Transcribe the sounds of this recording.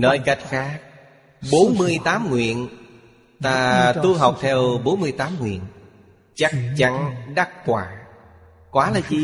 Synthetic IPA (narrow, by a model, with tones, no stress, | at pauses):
nɔ˧˩jka˦˥jt̚xaː˦˥k̚ | ɓo˨˦nmɨ˧əjt̪aː˨˦mŋwḭ˧˨ən | t̪aː˧t̪u˧ɦa˨˩wk͡p̚t̪ʰɛ˧wɓo˨˦nmɨ˧əjt̪aː˨˦mŋwḭ˧˨ən | t͡ɕa˦˥k̚t͡ɕa˧nɗa˦˥t̚kwaː˧˩ | kwaː˨˦laː˨˩zi˨˩